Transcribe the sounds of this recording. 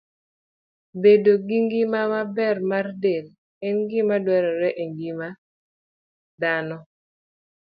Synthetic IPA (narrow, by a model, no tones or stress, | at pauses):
bedoɡiŋɡimamabɛrmardel | ɛnɡɪmadwɛɾɔɾɛʔeŋɡima | danɔ